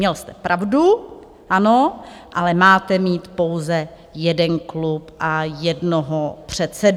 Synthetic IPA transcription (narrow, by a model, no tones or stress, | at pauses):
ɲɛlst̪ɛ̥pɾʔavdu | ʔano̞ | ʔalɛmaːt̪ɛmiːt̪po̞wzɛ | jɛdɛnklupʔajɛdnoɦopr̝̥ɛt̪sɛd